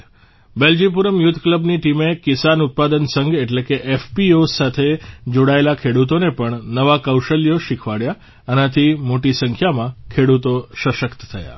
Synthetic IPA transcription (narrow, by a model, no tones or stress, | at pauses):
beld͡ʒip̬uɾəmjut̪ʰkləbniʈimekisanʊt̪̚pad̪ənsəŋɡeʈlekeʔefpiosat̪ʰed͡ʒoɽaelakʰeɽut̪onepəɳnəʋakəwʃəljoʃikʰʋaɽja | ənat̪ʰimoʈisəŋkʰjamãkʰeɽut̪oʃəʃəkt̪ət̪ʰəja̰